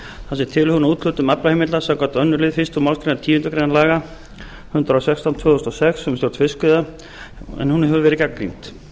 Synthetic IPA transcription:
θasɪ̥t̪ʰɪlhunauːt̪l̥ʏːt̪ʏmaplahejmɪt̪lasɛkɔt̪œnːʏɾlɪːðfɪst̪umawlskɾejnat̪ʰiːvʏnt̪ʏkɾejnalaːɣa | hʏnt̪ɾasɛkst̪ant̪ʰœːθɔst̪ɔsɛksːɛmst̪jowɾ̥t̪fɪskʏða | ɛ̰nhunhɛvɛɾɪcaklḭnt̪

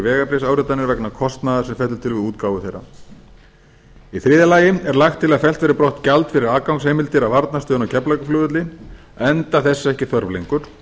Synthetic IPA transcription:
vɛːɣapɾɪsawɾʏt̪ːanɪɾvɛknakʰɔst̪naðḁsɛmfɛht̪ʏt̪ʰɪlvɪðuːt̪kaːwʏθejɾa̰ | iθɾɪːðɪlaːjɪmɛɾlaxt̪ʰːɪlːafɛl̥t̪vɛːɾɪɾpɾɔht̪calt̪fɪɾɪɾaːkawŋkshejmɪlt̪ɪɾavaɾt̪nast̪ʏːnawcʰɛplajkʏflʏːðʏt̪lin | ɛnt̪aθɛsːɛhcɪθœɾvlḛŋkʏɾ̥

